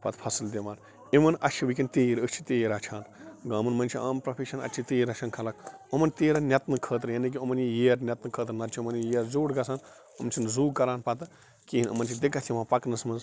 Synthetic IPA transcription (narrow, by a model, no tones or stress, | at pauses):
pɐt̪pʰɐsld̪ʲeʋaːn | iʋɐnɐʃʰiʋik̬ʲint̪eːɾət͡ʃʰi̥t̪eːɾat͡ʃʰaːnɡãːmɨnmɐnt͡ʃʰiaːmpɾɐpʰeʃɐnɐ̰t͡ʃʰit̪eːɾɐʃʰɐnkʰɐlɐkomɐnt̪eːɾɐnʲɐt̪nɨkʰəːt̪ɾjɐnik̬iomɐnjijeːɾnʲɐt̪nɨkʰəːt̪ɾnɐɾt͡ʃʰiomɐnjijeːɾzoːɽɡɐsaːn | omnt͡ʃʰinzuːɡkːɐɾaːnpɐt̪ɨ | kiːinɐ̰mɐnt͡ʃʰid̪ekːɐt̪ʰimãːpɐknɨsmɐnz